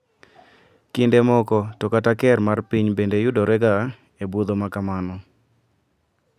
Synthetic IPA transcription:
kindemɔkɔtɔkatakɛrmarpiɲbendejʊdɔɾɛɡa | ebud̪omakamanɔ

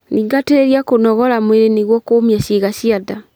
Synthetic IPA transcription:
niːŋɡateɾeɾiakonɔɣɔlamweɾeneɣwɔkoːmjaɕiɣaɕiada

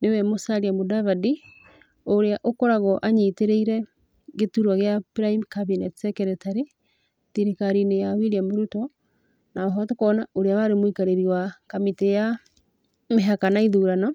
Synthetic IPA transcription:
newɛmosaɾiamodaβadi | oɾeaʔokɔɾaɣɔʔaɲiteɾeiɾɛ | ɣetuɾwaɣeabɾaimkaβinɛtsɛkɛɾɛtaɾe | tiɾikaɾinejawiɾiamoɾutɔ | naɔɦɔtokɔnaoɾeawaɾemoikaɾeɾiwakamiteja | meɦakanaiðuɾanɔ

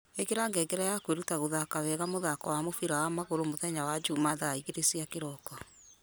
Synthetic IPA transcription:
ekeɾaːŋɡɛɡɛɾajakweɾutaɣoðakaβɛɣamoðakɔwamofiɾawamaɣoɾomoðɛɲawad͡ʒumaðaaiɣeɾesiakeɾɔkɔ

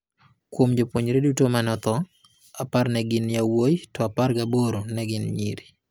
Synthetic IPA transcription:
kwomd͡ʒopwoɲɾedutomanɔt̪ɔ | aparnɛɡɪnjawojtɔaparɡaboɾonɛɡɪnɲḭɾi

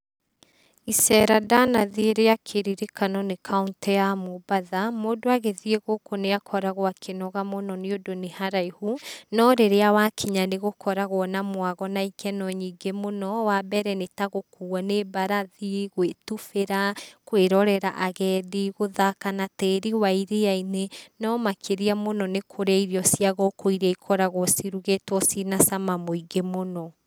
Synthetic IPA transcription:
isɛɾadanaðieɾejakʰeɾiɾekanɔnekʰauntjamobaðamoːdoaɣeðieɣokoneakʰɔɾaɣoakʰenɔɣamonɔneodonehaɾaihunɔɾeɾeawakʰiɲaneɣokʰɔɾaɣwɔnamwaɣɔnaikʰɛnɔɲiːŋɡemonɔwabɛɾɛnetaɣokuanebaɾaðiɣwetufeɾakweɾɔɾɛɾa̰ʔaɣɛðiɣoðakanatɛːɾiwaiɾeainenɔmakʰeɾiamonɔnekʰoɾeaiɾiɔsiaɣɔkoiɾaikʰɔɾaɣɔsiɾuɣetwɔsinasamamoiɡemonɔ

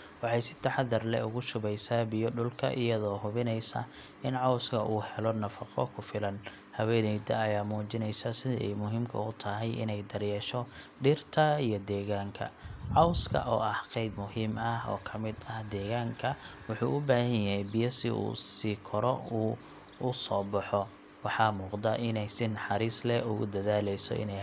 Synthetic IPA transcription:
wɑħɑjsɪ̥t̪ʰɐħɑd̪ɐrlɛ̰ʊɣʊʃʊβɛjsaːbɪjɔɖʊlkʰɐ̰ʔɪjɐðɔːɦʊβɪnɛjsɐ̰ | ɪnʕɑwskʰɐʔuːhɛlɔnɐfɑqɔ̰kʰʊfɪlɐn | hɐwɛːnɛjd̪ɐɐjaːmuːt͡ʃɪnɛjsasɪðɪ̰ʔɛ̰jmʊɦimkʰɐ̰ʊt̪ʰɐɦɛjʔɪ̰nɛjd̪ɐrjɛːʃɔɖɪrt̪ʰɐijɞd̪ɛːɣaːŋkʰɐ̰ʕɑwskʰɐ̰ʔɔːʔɐhqɛjbmʊhiːmɐhɔ̰ːkʰɐmɪd̪ɐhd̪ɛːɣaːŋkʰɐwʊħuːʔʊbaːhɐɲjɐɦɛjbɪjɐsɪṵːsiːkʰɔɾɔuː | ʊsɔːbɑħɔ | wɑħɑːmuːqd̪ɐʔɪnɛjsɪnħɑɾiːslɛʊɣʊd̪ɐðaːlɛjsɔ̰ɪ̰nɛ

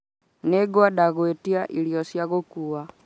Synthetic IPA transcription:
nɛɡɔaɗaɣɔɛtiaʔilijɔsjaɣɔkuwa

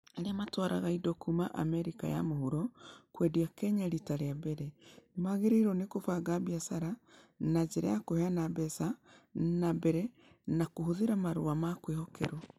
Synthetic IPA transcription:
aɾeamatwaɾa̰ɣaidɔkumaʔa̰mɛɾika̰ja̰mohuɾɔkwɛdiakɛɲaɾitaɾeabeɾɛnemaɣeɾeiɾɔnekofaɡabiasaɾa | nad͡ʒeɾa̰jakohɛanabɛsanabɛɾɛ | nakohoðeɾamaɾo̰amakwehɔkʰɛ̰ɾwɔ

